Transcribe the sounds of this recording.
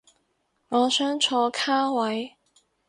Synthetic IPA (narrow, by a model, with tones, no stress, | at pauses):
ŋɔː˨˧sœː˥ŋt͡ʃʰɔː˨˧˥kʰaː˥wɐ˨˥j